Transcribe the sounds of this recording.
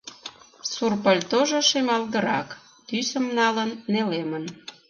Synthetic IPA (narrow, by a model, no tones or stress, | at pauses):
surpəlʲt̪oʒoʃemɑlɣəɾɑ̰k | t̪ysəmnɑlənːelemən